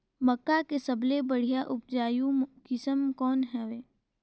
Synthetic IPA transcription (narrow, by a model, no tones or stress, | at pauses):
mɐkːakesɐblebɐɽ̤ijaʔʊp̚d͡ʒaːjũkɪsəmkɔːnɦɛʋeː